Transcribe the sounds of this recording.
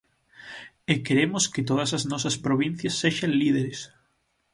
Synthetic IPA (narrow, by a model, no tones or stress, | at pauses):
ekeɾemoskɪt̪oð̞ɐsɐznɔsɐspɾoβin̟θjɐsːeʃɐnliðeɾes